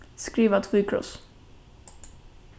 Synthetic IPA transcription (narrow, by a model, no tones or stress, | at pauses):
skɾiːvat̪ʰwiːkʰɾɔ̰s